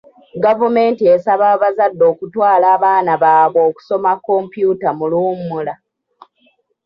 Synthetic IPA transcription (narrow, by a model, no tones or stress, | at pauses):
ɡavume̞ːntie̞saβaβazadːo̞ːkutwaːlaːβaːnaβaːβwo̞ːku̥so̞makːo̞ːmpjuːtamuluːmːula